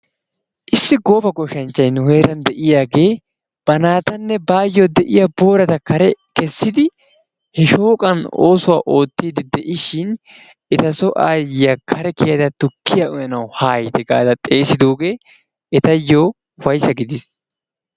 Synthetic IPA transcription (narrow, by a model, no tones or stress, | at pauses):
ʔɪsːɪɡo̞ːfɐɡɔʃɐnt͡ʃːɐjnʊhe̞ːɾɐnd̪ɛʔɪjaːɡe̞ː | b̥ɐnaːt̪ɐnːɛbaːjːoːd̪ɛʔɪjɐbo̞ːɾɐt̪ɐkɐɾɛkɛsːɪd̪ɪ | hɛʃo̞ːkʼɐnoːsʊwa̰ːʔo̞ːt̪ːiːd̪ɪd̪ɛʔɪʃɪn | ʔɛt̪ɐsɔʔaːjɪjɐkʰɐɾɛkɪjɐd̪ɐt̪ʊkːɪjɐʔʊjɐnɐwhaːjɪd̪ɛɡa̰ːd̪ɐt̪ʼe̞ːsɪd̪oːɡe̞ː | ɛt̪ɐjːoː | wɐjsɐɡɪd̪ɪs